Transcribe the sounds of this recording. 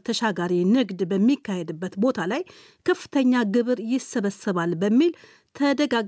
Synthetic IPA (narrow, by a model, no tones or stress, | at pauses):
t̪ʰəʃaɡaɾinɨɡd̪bəmːikːahed̪ɨbːət̪bo̞t̪ʰalaj | kʰəfːɨ̥t̪ʰəɲːaɡɨβɨɾjɪsːəβəsːɨβalbəmːil | t̪ʰəd̪əɡaɡ